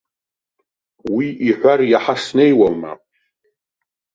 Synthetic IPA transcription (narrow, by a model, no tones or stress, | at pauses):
wiʔiħʷarjaħasnejwalma̰pʼ